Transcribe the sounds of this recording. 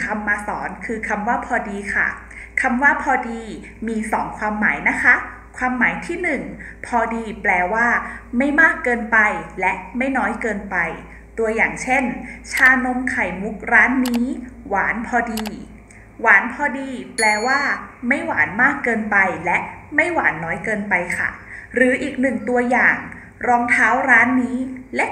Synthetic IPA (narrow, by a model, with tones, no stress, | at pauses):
kʰa˧mːaː˧sɔ̰ː˩˦nkʰɯː˧kʰa˧mwaː˥˩pʰɔː˧diː˧kʰa̰˥˩ | kʰa˧mwaː˥˩pʰɔː˧diː˧ | miː˧sɔː˩˦ŋkʰwaː˧mːaː˩˦jna˦˥kʰa˦˥ | kʰwaː˧mːaː˩˦jt̪ʰiː˥˩nɯ˨˩ŋ | pʰɔː˧diː˧plɛː˧waː˥˩ma˥˩jmaː˥˩kːɤː˧npa˧jlɛ˦˥ʔma˥˩jnɔː˦˥jkɤː˧npa˧j | t̪u˧ɐjaː˨˩ŋt͡ɕʰe˥˩nt͡ɕʰaː˧no˧mkʰa˨˩jmu˦˥k̚ɾaː˦˥nːiː˦˥waː˩˦npʰɔː˧diː˧ | waː˩˦npʰɔː˧diː˧plɛː˧waː˥˩ma˥˩jwaː˩˦nmaː˥˩kːɤː˧npa˧jlɛ˦˥ʔma˥˩jwaː˩˦nːɔː˦˥jkɤː˧npa˧jkʰa̰˥˩ɾɯː˩˦ʔiː˨˩k̚nɯ˨˩ŋt̪u˧ɐjaː˨˩ŋ | ɾɔː˧ŋt̪ʰaː˦˥wɾaː˦˥nːiː˦˥lɛ˦˥ʔ